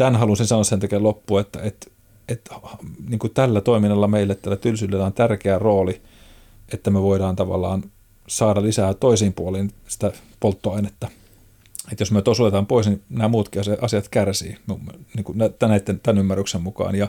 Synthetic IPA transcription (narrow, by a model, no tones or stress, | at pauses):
t̪ænhɑlunsinsɑnosent̪ækeːlopːuet̪ːæ̰et̪ | et̪hniːŋkut̪ælːæt̪oiminːɑlːɑmeilːet̪ːælːæt̪ylsylːelːæont̪ærkeæroːli | ʔet̪ːæmeøʋoidɑːnt̪ɑʋɑ̰lːˑɑ̰ːn | sɑːɾɑlisæːt̪oisiːmpuoliːnsi̥t̪æ | polt̪ːoɑinet̪ːɑ | et̪josmyøt̪osot̪et̪ɑːmpoisninæːmuːt̪kiɑsɑʔɑsiɑt̪kærsḭːmumniːŋkunæt̪næit̪ːent̪ænymːærːyksemmukɑ̰ːnjɑ